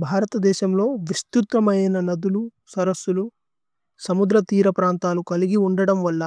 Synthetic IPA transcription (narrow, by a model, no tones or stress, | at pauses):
bʱaːɾɐt̪ɐd̪ɛːʃɐmlo̞ːʋist̪ut̪ːɐmɐjɐjnɐnɐd̪ulu | sɐɾɐsːulu | sɐmud̪ɾɐt̪iːɾɐpɾaːnt̪aːlukɐliɡiuɳɖɐɽɐmʋɐlːɐ